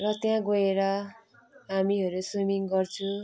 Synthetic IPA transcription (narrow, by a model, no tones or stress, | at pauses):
rʌt̪jãɡoeɾʌ | ɦamiɦʌɾusumiŋɡʌrt͡sʰu